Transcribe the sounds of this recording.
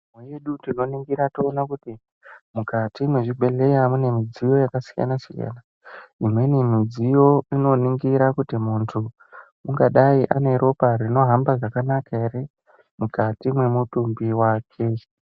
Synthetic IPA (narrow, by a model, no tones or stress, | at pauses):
mwejeɗuntino̞niŋɡiɾatoːnakuti | mukatimwe̞ʐiɡʱe̞ɮe̞jamune̞mid͡zijo̞jakasija̰nasija̰na | imwe̞nemid͡zijo̞ino̞niŋɡiɾakutimuntʰu | uŋɡaɗaiʔane̞ɾo̞parino̞ɦambaʐakanakaeri | mukatimwe̞mutumbiwaːkʰe̞